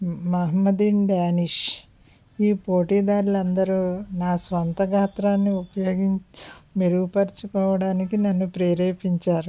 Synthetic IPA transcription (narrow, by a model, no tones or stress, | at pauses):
mɐɦɐmɐd̪inɖaːniʂ | iːpoːʈiːd̪aːɾulɐnd̪ɐɾunaːsʋɐnt̪ɐɡʱaːt̪ɾaːnːiupɐjo̞ːɡiɲmeɾuɡupɐɾt͡ʃukɔːʋɐɽaːnikinɐnːupɾeːɾeːpiɲt͡ʃaːɾu